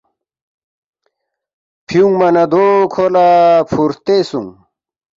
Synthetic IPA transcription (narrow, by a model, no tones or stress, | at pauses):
pʰiuŋmɐnɐd̪okʰolapʰuɾt̪esṵŋ